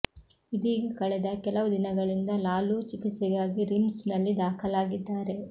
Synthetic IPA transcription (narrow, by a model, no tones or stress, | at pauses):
id̪iːɡkɐɭɛd̪ɐkɛlɐʋud̪inɐɡɐɭind̪ɐlaːluːt͡ʃikit̪sɛɡaːɡiɾimsnɐlːid̪aːkʰɐlaːɡid̪ːaːɾe̞